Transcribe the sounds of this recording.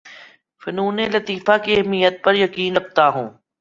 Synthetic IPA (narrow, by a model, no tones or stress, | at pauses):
fɪnuːnelɐt̪iːfakiɛɦmijət̪̚pɐɾjɐkiːnɾɐb̚t̪aɦṵ̃ː